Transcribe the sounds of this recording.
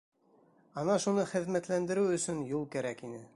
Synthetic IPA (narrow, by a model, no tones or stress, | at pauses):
ɑnɑʃunɤχɘ̆ðmæt̪lænd̪ɘ̆ɾɘwɵ̆sɵnjulˠkæɾækinɘ